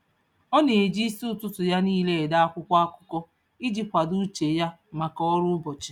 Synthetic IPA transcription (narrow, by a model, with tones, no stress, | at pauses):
ɔ˦ne˨e˨d͡ʒi˦su˦ʊ˦˨tʊ˦tʊ˨ja˦niː˦le˦e˨da˦a˦kʷʊ˦kʷa˦a˦kʷʊ̥˦kɔ˦ | i˦d͡ʒi˨kʷa˨du˦t͡ʃe˨ja˦ | ma˨kɔ˦ɾʊ˦bɔ˨t͡ʃɪ̥˨